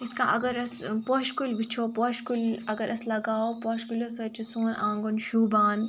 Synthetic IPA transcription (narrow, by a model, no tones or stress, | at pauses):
it̪kã̰ːʔɐɡɐɾɐspoːʃkulʋit͡ʃʰoːpɔʃkulɐɡɐɾʔɐslɐɡaːopoːʃkulosɐt͡ʃʰisoːnãːŋɡonʃuːbaːn